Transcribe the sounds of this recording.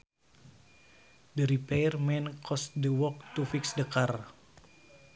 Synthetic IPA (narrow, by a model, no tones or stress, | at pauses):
dəɾipɛɛrmɛnkʰɔsdəwɔk̚t̪ufiksdəkar